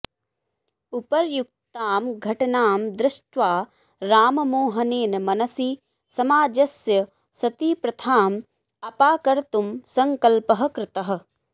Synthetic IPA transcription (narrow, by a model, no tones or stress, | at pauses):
upɐɾjuk̚t̪aːmɡʱɐʈnaːmd̪ɾɪʃʈʋaː | ɾaːmmoːɦɐneːnmɐnɐsi | sɐmaːd͡ʒɐsjɐ | sɐt̪iːpɾɐt̪ʰaːm | ɐpaːkɐɾt̪umsɐŋkɐlpɐɦɐ̆kɾɪt̪ɐɦ̆